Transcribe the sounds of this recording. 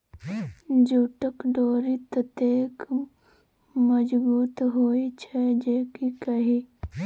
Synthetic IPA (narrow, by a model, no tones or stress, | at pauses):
d͡ʒuːʈəkɖoːɾit̪ət̪eːk | məd͡ʒbuːt̪ɦoːit͡ʃʰɛd͡ʒeːkikɐɦi